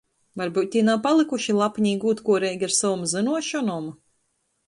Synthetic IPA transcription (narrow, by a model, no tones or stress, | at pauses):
vaɾbuːt̪̚ʲt̪ʲːiɛnawpalˠɨkuʃilˠapɲiːɡuːt̪kuɔɾɛːjɡʲaɾsavɔmzɨnuɔʃɔnɔm